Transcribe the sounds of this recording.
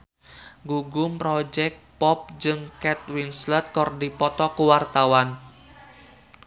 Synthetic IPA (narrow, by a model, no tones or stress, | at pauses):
ɡuɡʊmpɾɔd͡ʒɛk̚t̚pɔp̚d͡ʒɨŋkɛt̪̚winslɛt̪̚kɔrdipɔt̪ɔkuwart̪awan